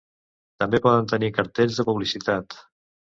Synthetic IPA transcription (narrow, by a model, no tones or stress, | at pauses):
t̪əmbepɔðənt̪ənikəɾt̪eʎzðəpuβ̞lisit̪at̪